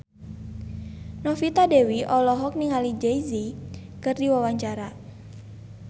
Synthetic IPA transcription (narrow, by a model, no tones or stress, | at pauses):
nɔfit̪adewiʔɔlɔɦɔk̚niŋalid͡ʒejzi | kɨrdiwawaɲt͡ʃaɾa